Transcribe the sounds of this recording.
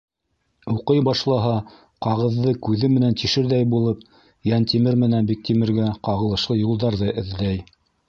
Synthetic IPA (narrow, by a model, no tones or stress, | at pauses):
uqɤjbɑʃlˠɑɦɑ | qɑʁɤ̆ðːɤkʉðɘmɘ̆nænt̪iʃɘ̆ɾðæjbulˠɤp̚ | jænt̪imɘɾmɘ̆nænbik̚t̪imɘ̆ɾɡæqɑʁɤ̆lˠɤ̆ʃlˠɤjulˠd̪ɑɾðɤʔɘ̆ðlæj